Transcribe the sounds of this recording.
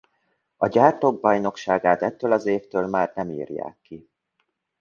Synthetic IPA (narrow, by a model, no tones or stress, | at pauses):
ɒɟaːrt̪oːɡ̚bɒjno̞kʃaːɡaːt̪ɛt̪ːøːlɒzeːft̪øːlmaːrnɛmḭːrja̰ːkːi